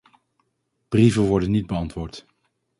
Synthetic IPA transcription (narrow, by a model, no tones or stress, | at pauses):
b̥rivəʋɔɹdənːid̚bəɑntʋʊːɹt